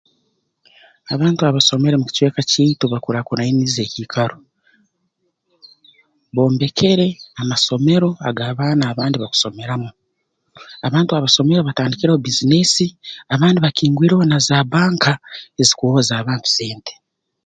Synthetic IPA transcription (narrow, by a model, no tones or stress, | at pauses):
aβaːntuaβaso̞me̞ɾemuci̥cwe̞ːkaciːtuβakuɾakuɾainize̞ːciːkʰaɾo | βo̞ːmbe̞kʰe̞ɾe̞amaso̞me̞ɾo̞a̰ɡaːβaːnaːβaːndiβaku̥so̞me̞ɾamu | aβaːntuaβaso̞me̞ɾo̞βataːndikiɾeobizine̞siaβaːndiβakiːŋɡwiːɾeonazaːβaːŋkae̞zikuoozaːβaːntu̥se̞ːnte